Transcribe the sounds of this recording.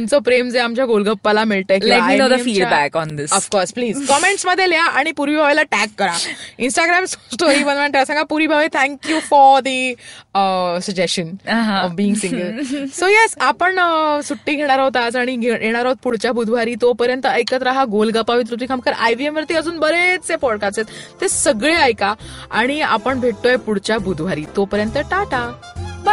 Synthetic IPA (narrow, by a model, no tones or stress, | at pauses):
umt͡sopɾemd͡zeamt͡ɕjaɡolɡəpːalamiɭt̪əlilɛaminod̪əmfiɖbækɔ̃nd̪ɪsəfkɔɾspliːzkɔmeɳʈsməd̪ʱːjeljaʔaɽ̃ipuɾʋiːbʱaʋelaʈækːəɾainsʈaɡɾamssʈoɾibənmaɳʈ̪easãŋɡãpuɾʋiːbʱaʋet̪ʰɛ̃ŋkjufɔɾd̪iəsəɡd͡ʑesənɦbiːŋɡsĩŋɡəlsojɛsapəɳəsuʈːiːɡʱeɽ̃aɾaɦot̪ad͡zaɽ̃iɡʱeɡʱeɽ̃aɾaɦot̪̚puɽ̤t͡ɕabʱud̪ʱʋaɾiːt̪opəɾjə̃nt̪əəjkət̪ɾəɦaɡolɡapaʋit̪̬ɾut̪iːkʰamkəɾajʋiemʋəɾt̪iːəd͡zuːnbəɾet͡st͡sepɔɽkast̪et̪t̪esəɡɭeəjkaaɽ̃ia̰pəɳbʱeʈt̪oepuɽt͡ɕabʱud̪ʱʋaɾiːt̪opəɾjə̃nt̪ːəʈaʈab